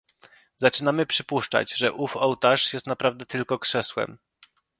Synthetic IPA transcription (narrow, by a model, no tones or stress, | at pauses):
zat͡ʂɘnamɘpʂɘpuʂt͡ʂa̰d͡ʑʐɛʔufɔwt̪aʂjɛst̪napɾavd̪ɛt̪ɘlkɔkʂɛswɛ̰m